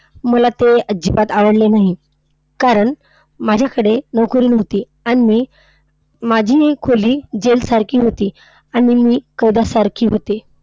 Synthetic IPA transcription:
məlat̪eəd͡ʑipat̪aʋəɽlenaɦi | kaɾəɳ | mad͡ʑʱjakəɽenəʋkəɾiːnɦot̪iː | aɽ̃imiː | mad͡ʑʱiːkʰoliːd͡ʑelsaɾkʰiːɦot̪iː | aɽ̃imiːkəjd̪asaɾkʰiːɦot̪e

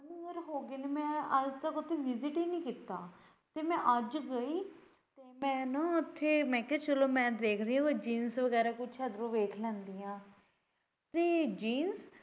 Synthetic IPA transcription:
nĩɡəɾɦoːɡeːneːmɛ̃ːəd͡ʒt̪əkʊt̪ʰːeːʋɪzɪʈiːnĩːkiːt̪ːaː | t̪eːmɛ̃ːʔəd͡ʒɡəiː | t̪eːmɛ̃ːnaːʊt̪ʰːeːmɛ̃ːkɛːt͡ʃəloːmɛ̃ːd̪eːkʰd̪iãːked͡ʒiːnsʋəɡɛːɾaːkʊt͡ʃʰəd̪ɾõːʋeːkʰlɛ̃ːnd̪iːjãː | t̪eːd͡ʒiːns

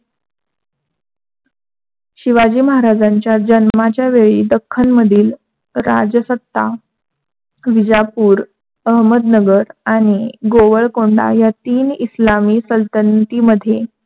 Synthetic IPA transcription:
ɕiʋad͡ʑiːməɦaɾad͡zaɲt͡ɕjad͡ʑənmat͡ɕjaʋeɭiːd̪əkʰːənməd̪ʱiːl | ɾad͡ʑəsət̪ːa | ʋid͡ʑapuːɾ | əɦməd̪nəɡəɾaɽ̃iɡoʋəɭkoɳɖa̰jat̪iːnislamiːsəlt̪ənt̪iːməd̪ʱːje

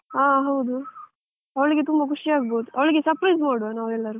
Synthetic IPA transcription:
aːɦɐwd̪u | ɐʋɐɭiɡe̞t̪umbɐkuʂiaːɡ̚bod̪uʔɐʋɭiɡe̞sɐɾpɾɐjzmaːɽʋenaːʋɾɛlːɐɾu

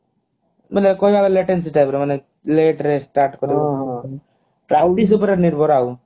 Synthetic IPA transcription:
blekojbʱaɡaleʈens̬iʈajpɔɾemane | leʈɾesʈaɾʈkɔɾi | pɾawʈis̬upɔɾeɾniɾbʱɔɾaw

